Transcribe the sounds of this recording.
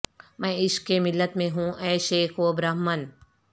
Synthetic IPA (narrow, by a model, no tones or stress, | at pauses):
mɛ̃ːɪʃkːemɪlːət̪mẽɦũʔɛːʃeːxobɾaːɦmən